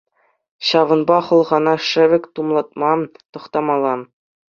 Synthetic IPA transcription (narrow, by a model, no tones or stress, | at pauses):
ɕɑʋɤ̆nbɑχɤ̆lˠʁɑnɑʂɘ̆ʋʲɘ̆kʲt̪umlˠɑt̪̚mɑt̪ɤ̆χt̪ɑmɑlˠːɑ